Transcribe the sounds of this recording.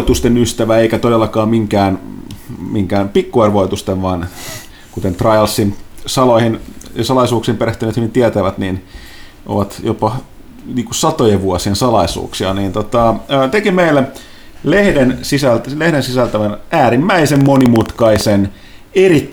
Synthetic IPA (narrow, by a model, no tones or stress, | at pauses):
t̪ust̪enyst̪æʋæeikæt̪odelːɑkɑːmmiŋkæːn | miŋkæːnpikːuerʋoit̪ust̪eʋʋɑn | kut̪ent̪rɑjɑlsːinsɑlohinjɑsɑlɑisuːksiːmpeɾeht̪yneːt̪hyʋint̪iæt̪æʋæt̪nin | ʔo̰ʋɑt̪jopɑ | niːŋkusɑt̪ojeʋʋuɔsiensɑlɑisṵːksiɑniːnt̪ot̪ɑːt̪ekimeilːæ | lehdensisællehdensisælt̪æʋænæːɾimːæisemmonimut̪kɑisen | erit̪ː